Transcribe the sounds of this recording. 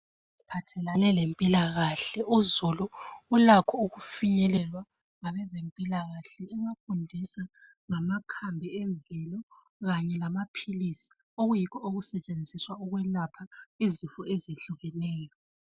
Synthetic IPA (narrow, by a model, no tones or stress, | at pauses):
ipʰatʰɛlanɛlempʼilaɣaɬɛuzuluulakʰɔuɣufiɲɛlɛlwa | ŋaβɛzempʼilaɣaɬɛɛŋafundʱisa | ŋamakʰambʱiɛɱvɛlɔ | ɣaɲɛlamapʰilisi̥ | oɣujikʰɔoɣusɛt͡ʃʼend͡zʱiswaɔɣwɛlapʰaizifɔeziɬuɣɛnɛːjɔ